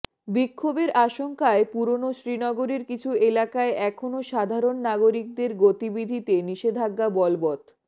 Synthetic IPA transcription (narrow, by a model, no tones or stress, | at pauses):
bikʰːobeɾʔaʃoŋkaepuɾonoʃɾinɔɡoɾeɾkit͡ɕʰuelakaeʔɛkʰonoʃad̪ʱaɾonːaɡoɾik̚d̪eɾɡot̪ibid̪ʱit̪eniʃed̪ʱaɡːabɔlbɔt̪